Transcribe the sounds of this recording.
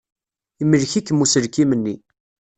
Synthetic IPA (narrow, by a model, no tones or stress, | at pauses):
imːəlçikːəmːusəɾkimənːi